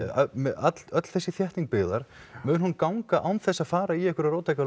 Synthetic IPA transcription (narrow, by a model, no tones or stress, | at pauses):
mɛat̪lœt̪l̥θɛsːɪθjɛht̪niŋk̚pɪːðaɾ̥ | mʏːðnhunkawŋkaʔawnθɛsːaðfaːɾaiɛhkʏɾaɾoːwt̪ʰajka